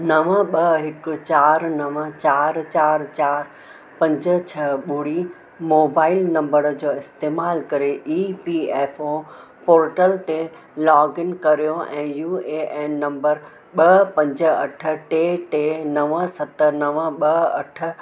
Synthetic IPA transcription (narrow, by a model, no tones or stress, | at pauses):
nɐʋəɓɐɦɪkʊ̆t͡ɕaːɾnɐʋət͡ɕaːɾt͡ɕaːɾt͡ɕaːɾ | pɐ̃ɲd͡ʑə̆t͡ɕʰɐɓʊɽi | moːbaːɪlnɐ̃mbəɾd͡ʑoːɪst̪eːmaːlkɐɾeʔiːpiːeːfo | poːɾʈəlt̪e | lɔːɡɪnkɐɾijoɛ̃ːjuːeːʔeːnnːɐ̃mbəɾ | ɓɐpɐ̃ɲd͡ʑə̆ɐʈʰə̆ʈeːʈeːnɐʋəsɐt̪ə̆nɐʋə̆ɓɐɐ̰ʈʰə̆